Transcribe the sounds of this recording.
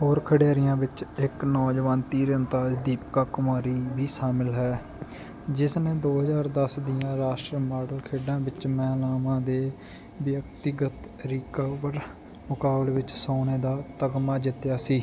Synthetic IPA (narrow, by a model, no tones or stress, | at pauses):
ɦoːɾkʰəɽjaːɾɪjãːʋɪt͡ʃɪknɔːd͡ʒʋaːnt̪iːɾənt̪aːd͡ʒd̪iːpkaːkʊmaːɾiːʋiːsaːmɪlɦɛː | d͡ʒɪsneːd̪oːɦəzaːɾd̪əsd̪ɪjãːɾaːʃʈɾəmaːɖəlkʰeːɖãːʋɪt͡ʃmɛːlaːʋãːd̪eː | ʋjəkt̪ɪɡət̪ | ɾɪkəʋəɾ | mʊkaːbleːʋɪt͡ʃsaːneːd̪aːt̪əɡmaːd͡ʒ̪ɪt̪jaːsiː